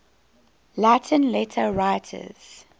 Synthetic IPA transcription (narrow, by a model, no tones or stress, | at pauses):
lætʰə̃nlɛtʰəɹaɪtʰə̰z̥